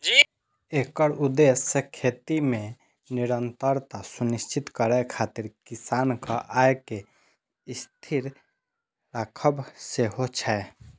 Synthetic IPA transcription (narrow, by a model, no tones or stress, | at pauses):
d͡ʒi | ekəɾud̪esːekʰet̪ime | niɾənt̪əɾt̪asunist͡ʃʰit̪kəɾɛkʰat̪iɾkisankəʔajke | ist̪ʰiɾ | ɾakʰəbseɦot͡ʃʰɛ